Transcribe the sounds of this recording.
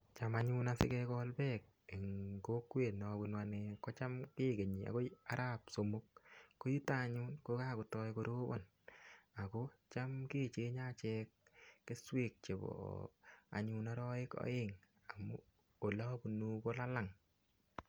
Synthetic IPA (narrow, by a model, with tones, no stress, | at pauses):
t͡ʃa˨maɲu˦nasɪ̰˦kɛ˧kɔ˦lbɛ˦k̚ | e˨ŋko˦kːwe˨nɔ˨bu˨nwane˨kɔ˦t͡ʃa˦mke˦ke˨ɲi˨a̰˨ko˦a˦ɾʔa˦pso˨mu˦kːo˦ju˦ta˦˨ɲu˦nko˦ka˦ku˨tɔ˦jko˦ɾo˦bɔ̰˦˨n | a˨ko˦t͡ʃa˦mke˦˨t͡ʃe˦ɲa˦t͡ʃɛːkːe˦swe˨k̚t͡ʃe˨bɔ̰ | a̰˨ɲu˦na˦ɾɔ˦ɪ˦kɔ̰˦ɪ˦ŋ | a˨mu˦ | o˨la˦bu˨nu˦ko˦la˦la˦˨ŋ